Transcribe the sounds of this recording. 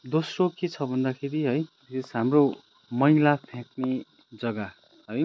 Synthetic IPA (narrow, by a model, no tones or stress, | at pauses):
d̪osroket͡sʰʌbʱʌnd̪akʰeɾiɦʌj | sesɦamro | mʌjlatʰjãkne | d͡zʌɡa | ɦʌj